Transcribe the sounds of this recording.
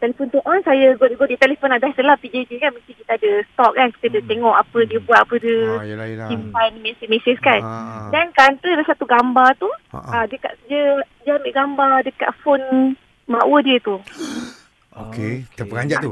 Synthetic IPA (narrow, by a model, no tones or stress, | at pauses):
t̪ɛlefont̪uʔɔnsajaɡoɡodit̪ɛlefonadasəlapid͡ʒed͡ʒikanmək̪ikit̪aadəst̪ɔʔ̚kanki̥t̪adət̪eŋɔʔapədiəbuat̪̚apədəsimpajnmɛsimesəskandankant̪əlasat̪uɡambat̪uədəka̰ʔ̪kəd͡ʒəd͡ʒambiʔɡambadəka̰t̪̚fon | maʔwədiət̪u | oket̪əpəɡaɲd͡ʒat̪u